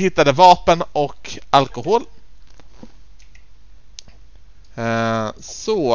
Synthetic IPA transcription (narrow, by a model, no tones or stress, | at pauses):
hɪt̪ːad̪əvɑːpənɔkalkʊhoːl | sɔ